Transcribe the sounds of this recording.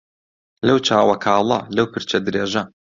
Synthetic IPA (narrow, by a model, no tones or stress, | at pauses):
lɐwt͡ʃaːwɐkʰaːlˠɐ̰lɐwpʰɨɾt͡ʃɐd̪ɾeːʒɐ